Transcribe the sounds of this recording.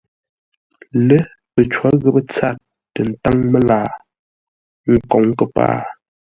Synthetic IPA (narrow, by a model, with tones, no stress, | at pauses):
lə˦ | pə˨t͡ʃwa˨˦ɣə˦pə˦t͡sa˦˨t̚ːə˨n̩˨˦ta˦ŋmə˦laː˨ | ŋ̩˦˨kɔ˨ŋkə˦˨pa̰ː˦˨